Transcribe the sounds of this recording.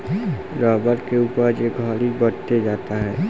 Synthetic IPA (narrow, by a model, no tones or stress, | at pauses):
ɾaːbəɾkeuːpəɾjeɡʱɔːlibəɽt̪ed͡ʒaːt̪aɦɛː